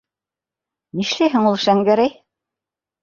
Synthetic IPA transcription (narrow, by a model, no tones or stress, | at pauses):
niʃlæjɦɘŋulˠʃæŋɡæɾæj